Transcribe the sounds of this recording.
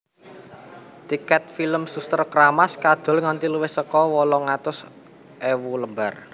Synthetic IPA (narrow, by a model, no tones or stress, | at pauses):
t̪ikɛt̪̚filəmsust̪ərkəɾamaskad̪̥ɔ̤lŋant̪iluwɪhsəkɔwɔlɔŋat̪ʊs | ʔewuləmbar